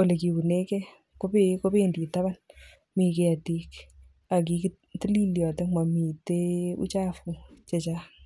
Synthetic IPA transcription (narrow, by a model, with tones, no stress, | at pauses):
wo˨le˨kibu˨ne˦kɛ˦ | ko˦peko˦pendi˨ta˦ba˦n | mi˨keatik | a˨k̬ik | ti˦li˦ljɔ˨te˦ma˨mi˨te˦ṵ˦t͡ʃafu˨t͡ʃet͡ʃa